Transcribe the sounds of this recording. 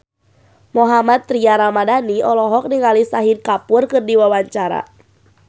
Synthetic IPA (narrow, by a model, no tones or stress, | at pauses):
mɔɦamat̪ːɾiaɾamadaniɔlɔɦɔk̚niŋalisaɦinkapʊrkɨrdiwawaɲt͡ʃaɾa̰